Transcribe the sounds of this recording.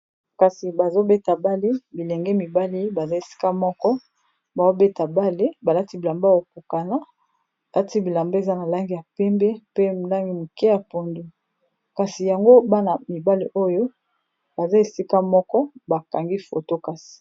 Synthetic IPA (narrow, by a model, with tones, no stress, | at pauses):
ka˨si˨ba˨zo˦be˦ta˨ba˦le˦bi˨lɛ˨ŋɡɛ˦mi˨ba˦li˦ba˨za˦e˨si̥˦ka˦mɔ˦kɔ˦ | ba˨zo˦be˦ta˨ba˦le˦ba˨la˦ti˦bi˨la˨mba˦o˨ku˨ka˨na˦˨ | lʔa˦ti˦bi˨la˨mba˦e˨za˦na˨la˦ŋɡi˦ja˨pɛ˦mbe˦pe˦˨la˦ŋɡi˦mu˨kɛ˦ja˨po˨ndu˨ | ka˨si˨ja˨ŋɡo˦ba˦na˨mi˨ba˦li˦ʔo˦jo˦ | ba˨za˦e˨si˦ka˦mɔ˦kɔ˦ba˨ka˨ŋɡi˦fo̰˨to˦ka˨si̥˨